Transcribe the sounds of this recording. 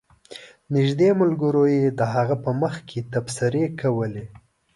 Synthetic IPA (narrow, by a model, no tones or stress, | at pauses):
nɪʒd̪emʊlɡəɾojed̪əɦaɣapəməxkʰet̪absɪɾekʰawəle